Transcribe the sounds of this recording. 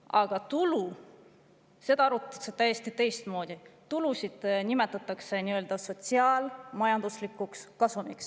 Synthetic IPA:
ʔɑɡ̥ɑt̪ulu | se̞d̪ɑɑɾut̪ɑset̪æjest̪it̪e̞jst̪mo̞ːd̪it̪ulusid̪̥nime̞t̪ːˑɑt̪ːˑɑkse̞niø̞ːld̪̥ɑso̞t̪siɑːlmɑjɑnd̪uslikːˑukskɑsumiks

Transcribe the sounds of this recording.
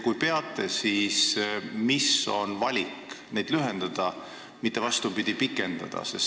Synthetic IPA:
kujpe̞ɑt̪ˑːe̞siːsmiso̞̰nvɑlʲikne̞jd̪̥lyɦend̪̥ɑd̪̥ɑ | mit̪ːˑevɑst̪upid̪̥ʲipikˑːe̞nd̪̥ɑ̰d̪̥ɑ̰se̞s

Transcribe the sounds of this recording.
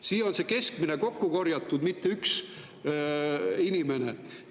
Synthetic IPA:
siːo̞nse̞ke̞skmine̞ko̞kːuko̞rjɑt̪ːˑud̪mit̪ːeyks | inime̞ne̞

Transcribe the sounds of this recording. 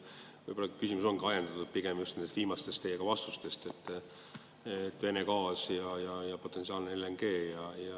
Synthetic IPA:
vɯjbolːɑkysimuso̞nɡ̥iɑjend̪̥ɑt̪ud̪̥̚piɡ̥e̞mjust̪nend̪et̪viːmɑst̪e̞st̪ejeɡ̥ɑvɑst̪ust̪e̞st̪e̞t̪ː | et̪ːˑve̞ne̞kɑːsjɑjɑjɑpo̞t̪ːˑe̞nsiɑːlneelːeŋɡe̞ːjɑjɑ

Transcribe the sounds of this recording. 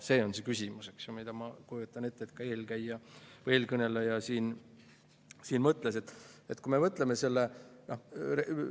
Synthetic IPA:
se̞ːo̞nse̞kysʲimuseksjomid̪̥ɑmɑkujut̪ːˑɑne̞t̪ːeːt̪kɑe̞ːlkæjːɑveːlkɤne̞lːɑjɑsiːn | siːnmɤt̪ːˑlese̞t̪ːˑet̪kume̞vɤt̪ˑleme̞se̞lːenore

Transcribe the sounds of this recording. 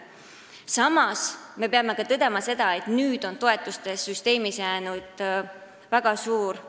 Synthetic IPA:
sɑmɑsme̞pe̞ɑme̞ɡ̥ɑt̪ɤd̪̥e̞mɑse̞d̪̥ɑe̞t̪nyːd̪̥o̞nt̪o̞e̞t̪ːˑust̪e̞syst̪e̞ːmisjæːnud̪̥ | væɡ̥ɑsuːɾ

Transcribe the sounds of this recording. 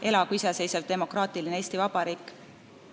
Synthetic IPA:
ʔe̞lɑɡuisese̞jsɑvd̪e̞mo̞krɑːt̪ilinee̞ːst̪ivɑb̥ɑɾiːkː

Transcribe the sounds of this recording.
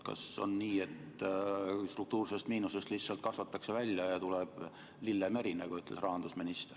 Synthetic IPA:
kɑ̰so̞̰nːiːe̞t̪ | st̪ruk̚t̪uːrse̞st̪miːnuse̞st̪lihsɑlt̪kɑsvɑt̪ːˑɑkse̞vælʲjɑjɑt̪uleb̥ | lilːeme̞ɾineɡ̥oyt̪ːˑle̞srɑɦɑnd̪usminist̪er

